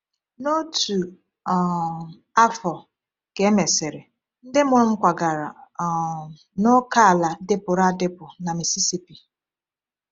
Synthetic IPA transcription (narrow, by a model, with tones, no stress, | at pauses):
no˦tu˨ | a˦fɔ˨ | ke˨˦me˨sɪ˨ɾɪ˨ | n̩˦dɪ˦mʊ˦m̩˦kʷa˨ɡa˨ɾa˨ | no˦ka˦˨la˨de˦pʊ˨ɾa˦˨dɪ˦pʊ˨na˨mi˨si˦si˦pi˨